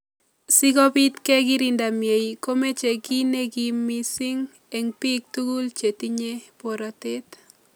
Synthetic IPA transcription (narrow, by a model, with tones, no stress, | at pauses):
si˦ɡɔ˦bi˦t̪kɛ˦ɡi˦ɾi˦nda˨mje˨i˨ko˦me˦t͡ʃe˨ki˦ne˦ɡimːi˦sɪ˦ŋ | e˨ŋpi˦k̚t̪u˦ɡu˦lt͡ʃe˨ti˦ɲe˦po˨ɾa˨te˦t